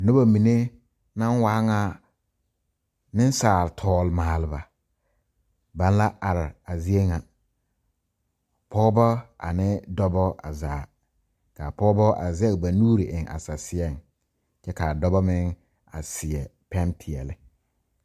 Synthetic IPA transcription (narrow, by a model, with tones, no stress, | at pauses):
nʊ˦ba˨mi˨ne˦ | na˦nwa˦ŋa˦ | nɪ˦n˦saː˨ltʰɔː˦lmaː˨lɪ˨ba˨ | ba˦n˦la˦ʔa˨ɾɪ˨a˨zɪ˦e˦ŋa˨ | pɔ˦bɔ˦a̰˨nɪ˦dɔ˦bɔ˦a̰˨zaː˨ | ka˨pɔ˦bɔ˦ʔa̰˨zɛ˦ɣba˨nuː˦ɾɪ˨ʔɪ˨ŋʔa̰˨sa˨sɪ˨˦ɛ˦ŋ | t͡ʃɛ˦kaː˨dɔ˦bɔ˦mɪ˦ŋ | a̰˨sɪ˨ɛ˨pɛ˦ntʰɪ˨ɛ˨lɪ˦